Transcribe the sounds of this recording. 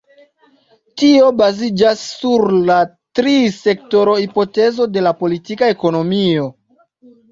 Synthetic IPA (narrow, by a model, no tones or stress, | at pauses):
tio̞bazid͡ʒasːuɾla | tɾise̞k̚to̞ɾo̞hipo̞te̞zo̞de̞lapo̞litikae̞ko̞no̞mio̞